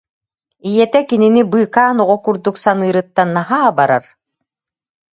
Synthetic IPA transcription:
ijɛt̪ɛkininibɯːkaːnɔʁɔkuɾd̪uksanɯːɾɯt̪ːanːaɦaːbaɾa̰ɾ

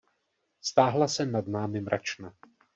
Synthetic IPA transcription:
st̪aːɦlasɛnadnaːmɪmɾʔa̰t͡ʃna

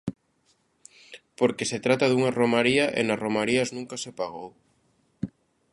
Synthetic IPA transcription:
poɾkeset̪ɾat̪aðuŋaromaɾiaʔḛnaromaɾiaznũŋkasepaɣ̞ow

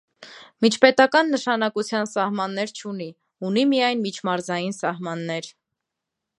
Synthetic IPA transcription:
mit͡ʃʰpɛt̪ɑkɑnːəʃɑnɑkut͡sʰjɑnsɑhmɑnːɛɾt͡ʃʰuni | unimijɑjnmit͡ʃʰmɑɾzɑjinsɑɦmɑnːɛɾ

